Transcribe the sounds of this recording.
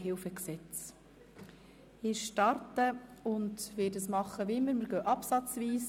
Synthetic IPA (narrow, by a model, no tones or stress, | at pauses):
ɦɪlfəksɛt͡s | ɪʃtɑɾtəʊndʋɪːdəsmɑχːəʋiɪmːəɾməɾɡœʔɑpsɑt͡sviːs